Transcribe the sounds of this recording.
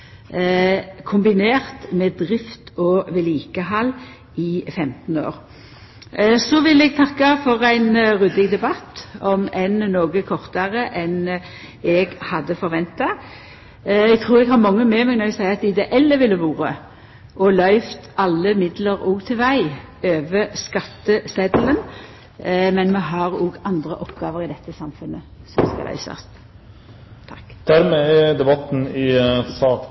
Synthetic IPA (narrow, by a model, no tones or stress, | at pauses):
kʰʊmbɪneːʁt̪mɛd̪ʁɪft̪ɔʋɛliːkəɦɑlː | ɪfɛmt̪n̩o̰ːʁ | sɔʋɪlɛɡ̚t̪ʰɑkːɑfɔʁæɪnʁʉd̪ɪɡd̪ɛbɑt̪ɔmɛnnoːɡəkʰɔʁt̪ɑʁəʔɛn | ɛɡhɑd̪ːəfɔʁɾʋɛnt̪ɑ | ɛɡt̪ʰʁuːʁɛɡɦɑɾmɑŋːəmɛmɛɡnɔɛsæɪəɑt̪ɪd̪ɛʔɛlːəʋɪlːəʋuːɾə | ʔɔlœʏft̪ɑlːəmɪd̪ləʁoːɡt̪ʰɪlʋæɪ | øːʋəskɑt̪ːəsɛd̪lən | mɛnmɛɦɑʁoːɡɑnd̪ʁəʔɔpɡɑːʋəʁɪd̪ɛt̪ːəsɑmfʉnːəsɔmskɑ̰læ̰ɪsɑ̰st̪ | t̪ʰɑkːd̪̥æɾmeæd̪ɛbɑt̪ːn̩ɪsɑːk